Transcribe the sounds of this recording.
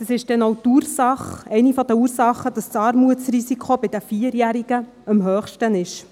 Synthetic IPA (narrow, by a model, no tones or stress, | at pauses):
d̥ɑsɪʃd̥ɛnowtuːɾsɑχɛɪnifɔd̪əuːɾsɑχːəd̥ɑssɑːɾmuətt͡srisikʰob̥ɪd̥əfiːəɾjæːɾiɡ̥ə | ɑmɦœːχʃtənɪʃ